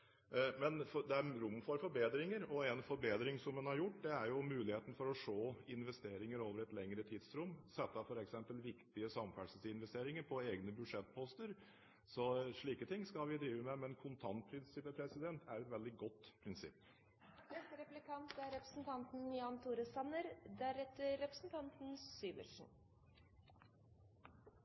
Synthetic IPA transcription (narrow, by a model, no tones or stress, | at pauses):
mɛnfɔd̪ɛæɾɾʊmːfɔɾfɔɾbeːd̪ɾɪŋəɾɔɛnfɔɾbeːd̪ɾɪŋsɔmɛnhɑɾjʊʈːd̪ɛæɾjʊmʉːlɪheːt̪ən̩fɔɾɔʂoːɪnʋɛst̪eːɾɪŋəɾoːʋəɾɛt̪lɛŋɾət̪ʰiːd̪sɾʊmːsɛt̪ːɑfɔɾɛksɛmpəlʋɪkt̪ɪəsɑmfæʂəsɪnʋɛst̪eːɾɪŋəɾpʰɔeːɡnəbʉd̪ʂɛt̪ːpʰɔst̪əɾ | sɔʂɭiːkət̪ʰɪŋːskɑlʋɪd̪ɾiːʋəmɛmɛnkʰʊnt̪ʰɑnt̪̚pʰɾɪnsɪpːəpʰɾɛsɪd̪ɛnt̪ʰæɾɛt̪ʋɛld̪ɪɡɔt̪ːpʰɾɪnsɪ̰pː | nɛst̪əɾɛplɪkʰɑnt̪æɾɾɛpɾə̥sn̩t̪ʰɑnt̪n̩jɑːnt̪ʰuːɾəsɑnːəɾd̪æɾɛt̪ːəɾɛpɾəsn̩t̪ʰɑnt̪n̩syːʋə̰ʂɳ̩